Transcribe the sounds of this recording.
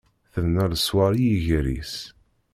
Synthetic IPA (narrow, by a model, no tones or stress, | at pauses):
θəðnæɾəswaɾijiʝɾḭs